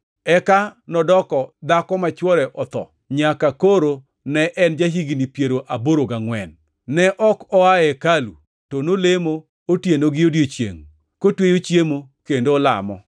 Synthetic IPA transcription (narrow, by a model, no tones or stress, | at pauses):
ɛkanɔdɔkɔd̪akɔmat͡ʃwɔɾɛʔɔt̪ɔ̰ | ɲakakoɾo | nɛʔɛnd͡ʒaɦiɡinipjeɾoʔaboɾoɡaŋwɛnː | ɛʔɔkɔaɛkalu | tonolemo | otjenoɡɪodjot͡ʃjḛŋ | kotwejot͡ʃjemokendoːla̰mɔ̰